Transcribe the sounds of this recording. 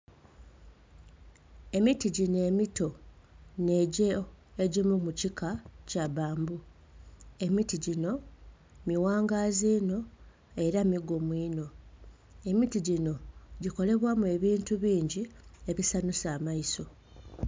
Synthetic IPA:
e̞mitiɟine̞ːmito̞ | ne̞ɟeeɟimumucikʰacaβaːmbu | e̞mitiɟino̞ | miwaːŋɡazino̞ | e̞ɾamiɡomwiːno̞ | e̞mitiɟino̞ɟiko̞le̞βwaːmue̞βiːntuβiːɲɟie̞βisanusaːmaiso̞

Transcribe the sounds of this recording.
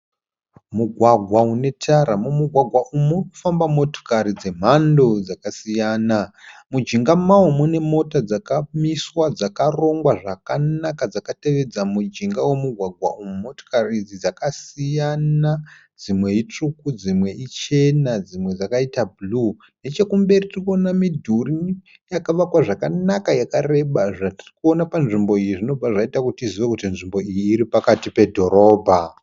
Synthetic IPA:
muɡʱwaɡʱwaune̞tʰaɾamumuɡʱwaɡʱwaʔumurku̥fambamo̞to̥kaɾid͡ze̞m̤ando̞d͡zakasijaːnamud͡ʒiŋɡamaumune̞mo̞tad͡zakamiswad͡zakaro̞ŋɡwaʐakanakad͡zakate̞ʋe̞d͡zamud͡ʒiŋɡawe̞muɡʱwaɡʱwa̰ʔumumo̞to̥karid͡zid͡zakasijana | d͡zimwe̞it͡ʂukud͡zimwe̞ʔit͡ʃe̞nad͡zimwe̞d͡zakaitabʱulu | ne̞t͡ʃe̞kumbe̞ritirikonamidʱuri | jakaʋakwaʐakanakajakare̞ɓaʐatirikuo̞napanʐimbo̞ijiʐino̞b͡vaʐaitakutiziʋekutinʐimbo̞ijiːɾipakatipe̞dʱo̞ɾo̞ːbʱa

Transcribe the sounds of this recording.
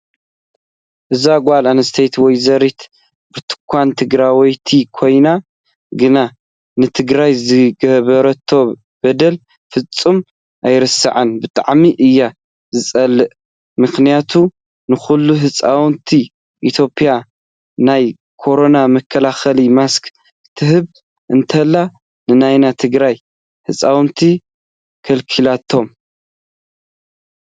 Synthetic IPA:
ʔɨzaɡʷalanɐst̪ʰejt̪wɔjzɐɾit̪ | b̥ɨt̪ʰɨ̥kʷʰːant̪ʰɨɡɾawɔjt̪ʰikʰo̞jna | ɡɨna | nɨt̪ʰɨɡɾajzɨɡɐβɐɾɐt̪ʰːo̞ | b̥ɐd̪ɐl | fɨt͡sʼːɨm | ʔajɾɨsɨ̰ʕanbɨt̪ʼa̰ʕmiʔɨjːa | zɨt͡sʼɐlːɨʔ | mɨxnijat̪ʰu | nɨxulːuɦɨt͡sʼawnt̪ʰi | ʔit̪ʰjo̞pʼija | naj | kʰo̞ɾo̞namɐkʰːɐlaxɐlimask | t̪ʰɨɦɨβ | ʔɨnt̪ʰɐlːa | nɨnajnat̪ʰɨɡɾaj | hɨt͡sʼawnt̪ʰi | kʰɐlkʰilat̪ʰːo̞m

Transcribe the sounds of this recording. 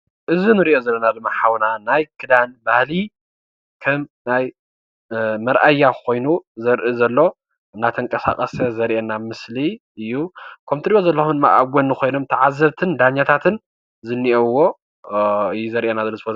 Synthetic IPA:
ʔɨzinɨɾiʔozɐlːonad̪ɨmːaħawnanajkʰɨd̪anbahli | kʰɐmnaj | mɐɾʔajːakʰo̞jnuzɐɾʔɨzɐlːo̞ | nːat̪ʰɐŋkʼɐsa̰kʼɐsɐzɐɾʔeɛnamɨsliʔɨjːukʰɐmt̪ʰɨɾibozɐlːɐxumd̪ɨmːa̰ʔaɡʷonːɨko̞jno̞mt̪ʰɐʕazːɐβt̪ʰɨnd̪aɲːat̪ʰat̪ʰɨn | zɨnːiʔowːo̞ | ɨjːuzɐɾʔenazɐlːozɨfo

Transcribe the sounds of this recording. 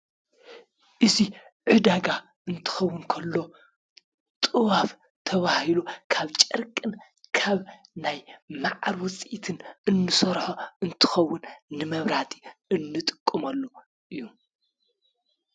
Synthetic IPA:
ʔɨziʕɨd̪aɡa | ʔɨnt̪ʰɨ̥xɐwːʊnkʰɐlːo̞ | t̪ʼɨwaf | t̪ʰɐβahilukʰaβt͡ʃʼɐɾkʼɨn | kʰaβnajmaʕaɾwʊt͡sʼit̪ʰɨnɨnːɨsɐɾħoɨnt̪ʰɨ̥xɐwːʊnːɨmɐβɾat̪ʼi̥ɨnːɨt̪ʼɨ̥kʼːɨmɐlːo | ʔɨjːu

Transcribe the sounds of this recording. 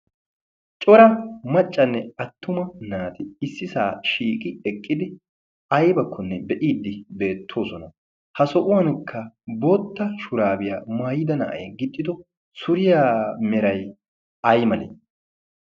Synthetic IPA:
t͡ʃʼɔɾɐmɐt͡ʃʼːɐnːɛɐt̪ːʊmɐnaːt̪ɪɪsːɪsaːʃiːkʼɪɛkʼːɪd̪ɪ | ɐjbɐkʰːɔnːɛbɛʔiːd̪ːɪbe̞ːt̪ʰːo̞ːsɔnɐ | hɐsɔʔʊwɐnkʰːɐboːt̪ːɐʃʊɾaːbɪjaːmaːjɪd̪ɐnɐ̰ʔɐ̰jɡɪd̪ʼːɪd̪ɔ | sʊɾɪjaːmɛɾɐj | ɐjmɐlḛː

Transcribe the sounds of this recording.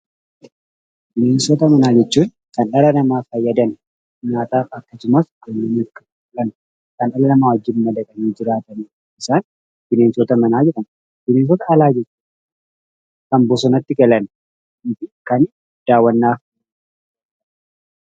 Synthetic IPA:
bɪneːnsɔt̪ɐmɐnaːd͡ʒɛt͡ʃːuːn | kɐnʔɐlɐnɐmaːfɐjːɐd̪ɐn | ɲaːt̪aːfɐkːɐsʊmɐskʊnːɐmɪkːɐ̥ | fʊlɐn | kɐnɐlɐnɐmaːwɐd͡ʒːɪnmɐd̪ɐkʼɐniːd͡ʒɪɾaːt̪ɐniː | ɪsaːn | b̪̥ɪneːnsɔt̪ɐmɐnaːd͡ʒɛᶑɐm | b̥ɪneːns̬ɔt̪ɐɐlaːd͡ʒɛt͡ʃ | kɐmbɔsɔnɐt̪ːɪkɛlɐn | ɪfɪkɐn | d̪̥aːwːɐnːaː

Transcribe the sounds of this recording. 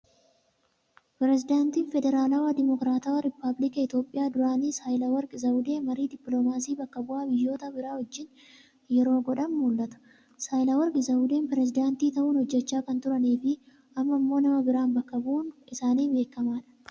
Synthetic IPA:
pɪɾɛzɪd̪aːnt̪iːnfɛd̪ɛɾaːlɐwad̪ɪmɔkɾaːt̪ɐwɐɾɪpːɐblɪkɐɪt̪o̞ːpʼːɪjaːd̪ʊɾaːniːsajlɐwɐɾkʼɪzɐwʊd̪eːmɐɾiːd̪ɪpːloːmaːsiːbɐkːɐbʊʔaːbɪjːo̞ːt̪ɐbɪɾaːhɔd͡ʒːɪn | jɛɾo̞ːɡɔᶑɐnmuːlːɐt̪ɐ̥ | saːjlɐwɐɾkʼɪzɐwʊd̪eːnpɪɾɛsɪd̪aːnt̪iːt̪ɐʔuːnhɔd͡ʒːɛt͡ʃːaːkɐnt̪ʊɾɐneːfɪ | ʔɐmːɐmːo̞ːnɐmɐbɪɾaːnbɐkːɐbuːnɪsaːniːbe̞ːkːɐmaːᶑɐ̥

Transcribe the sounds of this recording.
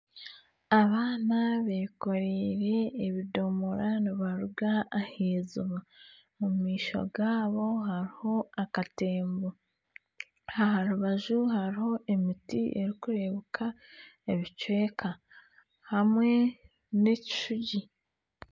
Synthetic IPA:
aβaːnaβeko̞ɾeɾe̞ːβido̞moɾaniβaɾuɡaːheːzuβa | mumiːʃo̞̰ɡaːβo̞ɦaɾiho̞akateːmbo | haɦaɾuβaʒuɦaɾiho̞ʔe̞mitiʔe̞̰ɾikuɾe̞βukʰa | eβit͡ʃwe̞ːkʰa | hamwe̞ | neci̥ʃuɟi

